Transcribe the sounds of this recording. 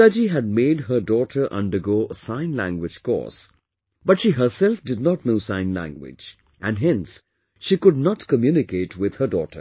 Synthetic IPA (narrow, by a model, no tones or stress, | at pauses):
ʌd͡ʒiɦæd̚meɪd̚ɦədɔʈʰə˞ʔʌ̰̃ndə˞ɡoːəsãɪ̃nlæ̰̃ŋɡwɪd͡ʒkɔ̰s | bʌtʃiːɦə˞sɛlfdɪd̚ⁿnɔtnoːsãɪ̃nlæ̰̃ŋɡwɪ̰d͡ʒ | ʔæ̃nɦɪ̃ns | ʃikʊdnɑtkəmjunɪkeɪtʰwɪd̪̥hədɔ̰ːtʰə̰